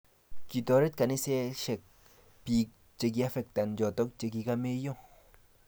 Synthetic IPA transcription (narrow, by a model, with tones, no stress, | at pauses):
ki˨t̪ɔ˨˦ɾe˦t̪̚ka˨ni˦se˦ʃe˨k̚ | pi˨k̚ | t͡ʃe˨˧k̬i˧a˦fe˨k̚t̪a˨nd͡ʒɔ˨t̪ɔ˦k̚t͡ʃe˧k̬i˧ka˧me˦jo˦˨ŋ